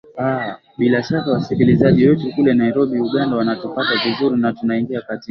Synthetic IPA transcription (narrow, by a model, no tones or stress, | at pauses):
a | ɓilaʃakawasikilizaʄiwɛtukulɛnaiɾɔɓiuɠandawanatupatavizuɾinatunaiŋɡiakatik